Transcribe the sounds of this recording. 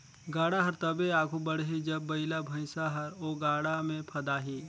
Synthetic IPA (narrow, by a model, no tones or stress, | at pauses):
ɡaːɽaɦɐɾt̪ɐbeaːɡʰʱubɐɽɦid͡ʒɐbːɐɪlabʱɐ̃ɪsaɦɐɾoːɡaːɽamẽpʰɐd̪aːɦiː